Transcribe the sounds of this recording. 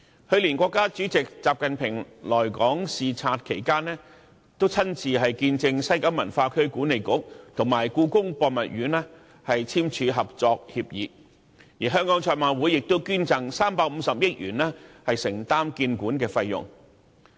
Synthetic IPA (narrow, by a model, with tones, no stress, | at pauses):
hɵ˧ɥliː˨˩nkʷɔː˧kːaː˥t͡ʃyː˨˥t͡sɪ˨k̚t͡saː˨p̚kɐ˨npʰɪ˨˩ŋlɔː˨˩jkɔː˨˥ŋsiː˨t͡sʰaː˧t̚kʰe˨˩jkaː˥nɛː˥ | t̪o˥wt͡sʰɐ˥nt͡sʰiː˨ɦɐ˨jkiː˧nt͡sɪ˧ŋsɐ˥jkɐ˨˥wmɐ˨˩nfaː˧kʰɵ˥ɥkuː˨˥ne˨jkʊ˥k̚t̪ʰʊ˨˩ŋmaː˨˩jkuː˧kʊ˥ŋpɔː˧k̚mɐ˨t̚ɥyː˨˥nɛː˥ | hɐ˨jt͡sʰiː˥mt͡ʃʰyː˨˧ɦɐ˨p̚t͡sɔː˧k̚hiː˧p̚jiː˨˥ | jiː˨˩ɦœː˥ŋkɔː˨˥ŋt͡ʃʰœː˧maː˨˧wuː˨˥jɪ˨k̚t̪o˥wkyː˥nt͡sɐ˨ŋsaː˥mpaː˧k̚m̩˨˧sɐ˨p̚jɪ˥t̚jyː˨˩nlɛː˥hɐ˨jsɪ˨˩ŋt̪aː˥mkiː˧nkuː˨˥nkɛː˧fɐ˧jːʊ̰˨ŋ